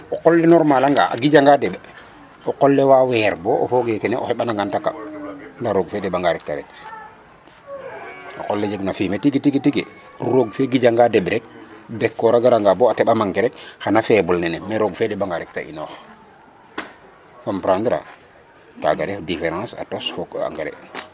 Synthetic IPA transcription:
oqolːenoɾmalaŋɡa̰ʔa̰ɡid͡ʒaŋɡadebe | oqolːewawɛːɾboʔo̰foɡekeneʔo̰xeɓanaŋɡantaka̰ndaɾoɡfedebaŋɡaɾɛk̚ta̰ɾḛt | o̰qolːed͡ʒeknafimetiɡetiɡetiɡḛ | ɾuɾoɡfeɡid͡ʒaŋɡadebɾek̚bɛkːoɾaɡaɾaŋɡaboateɓamaŋkeɾekxanafebulnɛnemeɾoɡfedebaŋɡaɾɛk̚ta̰ʔḭnox | fampɾãːndɾa̰ | ka̰ɡaɾefdifeɾãsa̰tosfoka̰ŋɡaɾḛ

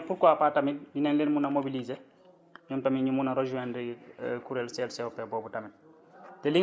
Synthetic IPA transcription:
puɾkɔapatamit̚binɛnlenmunɐmobilize | ɲɔmtamiɲumunɐɾod͡ʒuɛndikuɾɛlsɛlsɛwpɛbɔːbutɐmit̚ | tɛliŋ

